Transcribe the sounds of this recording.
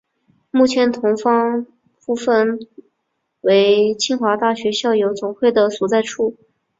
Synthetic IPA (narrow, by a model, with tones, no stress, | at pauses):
mu˥˩t͡ɕʰjɛ˧˥nt̪ʰʊ˧˥ŋfɑ˥ŋ | pu˥˧fə˥˧n | we˧˥ɪt͡ɕʰi˥ŋxwa˧˥t̪a˥˩ɕɥɛ˧˥ɕjɑ˥˩ʊjo˧˥ʊt͡sʊ˨˩ŋxwe˥˩ɪd̪ə˩su˨˥˩t͡sa˥˧ɪʈ͡ʂʰu˥˩